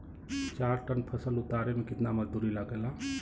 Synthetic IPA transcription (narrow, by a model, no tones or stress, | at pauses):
t͡ʃaɾʈənpʰəsəlut̪aɾemekɪt̪naməd͡ʒd̪uɾilaɡela